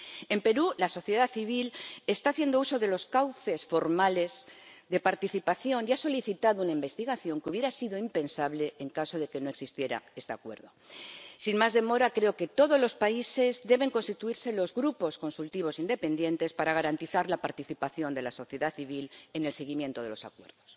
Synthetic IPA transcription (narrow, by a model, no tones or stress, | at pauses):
e̞mpe̞ɾulaso̞θjeðaθiβ̞ile̞st̪aːθje̞nd̪ouso̞ðe̞lo̞skawθe̞sfo̞ɾmale̞zðe̞paɾt̪iθipaθjo̞niaso̞liθit̪aðounaimbe̞st̪iɣaθjo̞ŋkuβje̞ɾasiðoimpe̞nsaβle̞ːŋkasoð̞e̞ke̞no̞e̞ksist̪je̞ɾa̰e̞st̪e̞a̰kwe̞ɾðo̞sinmazðe̞mo̞ɾakɾe̞oke̞t̪o̞ðo̞zlo̞spaise̞zd̪e̞β̞e̞ŋko̞nst̪it̪uiɾse̞lo̞zɣɾupo̞sko̞nsult̪iβ̞o̞sind̪epe̞nd̪jẽ̞nt̪e̞spaɾaɣaɾant̪iθaɾlapaɾt̪iθipaθjo̞nd̪e̞laso̞θje̞ðaθiβ̞ile̞ne̞lse̞ɣimjent̪o̞ð̞e̞lo̞sa̰kwe̞ɾðo̞s